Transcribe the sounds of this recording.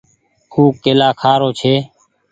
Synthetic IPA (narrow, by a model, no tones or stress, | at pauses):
huːkeːlaːkʰaːɾoːt͡ʃʰeː